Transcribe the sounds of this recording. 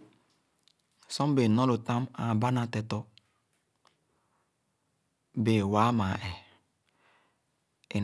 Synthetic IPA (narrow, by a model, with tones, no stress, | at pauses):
sɔ˦m˦be˨nɔ˦lo˨ta˦ma˨ba˦na˨tɛ˨tɔ˦ | be˨wa˦ma˨ʔɛ˨ | e˨